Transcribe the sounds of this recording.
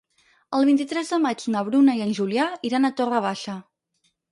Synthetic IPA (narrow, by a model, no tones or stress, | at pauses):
əlˠβint̪it̪ɾɛzðəmad͡ʒnəβ̞ɾunəiənʲʒuliaiɾanət̪orəβaʃə